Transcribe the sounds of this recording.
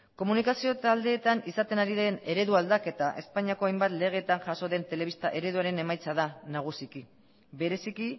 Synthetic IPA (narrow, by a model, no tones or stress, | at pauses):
ko̞munikasio̞t̪ald̪e̞ːt̪anisat̪e̞naɾiðe̞ne̞ɾe̞ðuald̪ake̞t̪aʔe̞spaɲiako̞ajmbat̪le̞ɣ̞e̞t̪anʝaso̞ðe̞nt̪e̞leist̪aʔe̞ɾe̞ðuaɾe̞ne̞majt͡saðanaɣ̞usiki | βe̞ɾe̞siki